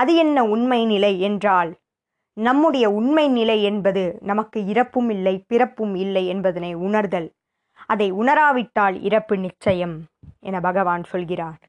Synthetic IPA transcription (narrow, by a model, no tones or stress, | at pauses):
ɐðɯɛnːɐʊɳmɐɪnɪlɐɪɛndraːl | nɐmːɯɽɐjɐʊɳmɐɪnɪlɐɪɛnbɐðɯnɐmɐkːɯɪɾɐpːɯmɪlːɐɪpɪrɐpːɯmɪlːɐɪɛnbɐðɐnɐɪʊɳɐɾðɐl | ʔɐðɐɪʊɳɐɾaːʋɪʈːaːlɪ̰ɾɐpːɯnɪt͡ʃːɐjɐmʔɛ̰nɐbʱɐɣɐʋaːnsɔlɣɪraːɾ